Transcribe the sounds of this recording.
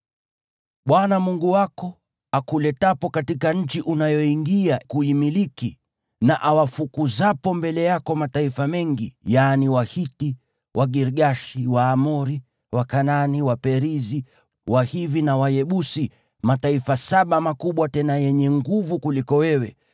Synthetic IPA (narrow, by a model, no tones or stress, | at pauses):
ɓwanamuŋɡuwakɔ | akulɛtapɔkatikaɲ̩t͡ʃiʔunajɔiŋɡiakuimiliki | naʔawafukuzapɔmbɛlɛjakɔmataifamɛŋɡijaniwahiti | wʔaɡiɾɠaʃiwaːmɔɾi | wakananiwapɛɾizi | wahivinawajɛɓusi | mataifasaɓamakuɓwatɛnajɛɲɛŋɡuvukulikɔwɛwɛ